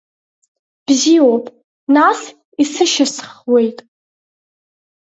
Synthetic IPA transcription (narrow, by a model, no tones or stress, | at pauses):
b̥ziopʼ | nas | isɨʃasχwe̞jtʼ